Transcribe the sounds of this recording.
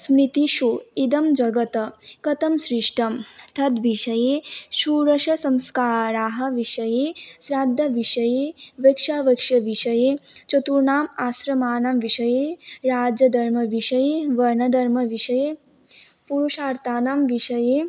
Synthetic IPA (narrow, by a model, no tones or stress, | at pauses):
smɾit̪iʃuid̪ɐmd͡ʒɐɡɐt̪ɐkɐt̪ɐmsɾiʂʈɐmt̪ʰɐd̪ʋiʃɐjeːʃuːɾɐʃɐsɐmskaːɾaːɦɐ̆ʋiʃɐjeːsɾaːd̪ʱːɐʋiʃɐjeːʋɐkʃaːʋɐkʂɐʋiʃɐjeːt͡ʃɐt̪uɾɳaːmaːsɾɐmaːnɐmʋiʃɐjeːɾaːd͡ʒjɐd̪ʱɐɾmɐʋiʃɐjeːʋɐɾɳɐd̪ʱɐɾmɐʋiʃɐjeː | puɾuʃaːɾt̪aːnamʋiʃɐjeː